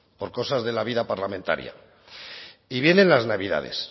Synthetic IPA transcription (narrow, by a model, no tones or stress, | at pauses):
po̞ɾko̞sazðe̞laβ̞iðapaɾlamẽ̞nt̪a̰ɾja̰ | iβjenẽ̞nlaznaβ̞iða̰ðe̞̰s